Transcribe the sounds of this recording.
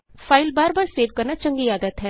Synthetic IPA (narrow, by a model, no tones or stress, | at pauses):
pʰaːɪlbaːɾbaːɾseːʋkəɾnaːt͡ʃə̃ŋɡiaːd̪ət̪ɦɛː